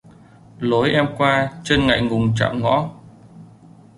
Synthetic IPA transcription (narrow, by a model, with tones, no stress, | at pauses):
lo˨˦jʔɛ˧mkwaː˧t͡ɕe˧nŋa̰˧˨jŋʊ˨˩ŋ͡mt͡ɕa̰ː˧˨mŋɔ̰˧˥˦